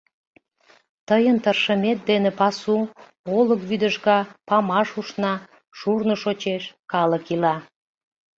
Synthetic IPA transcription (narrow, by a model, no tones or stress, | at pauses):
t̪əjənt̪ərʃəmet̪̚d̪enepɑsu | oləkβyd̪əʒɣɑpɑmɑʃuʃnɑ | ʃurnoʃot͡ɕeʃkɑləkilɑ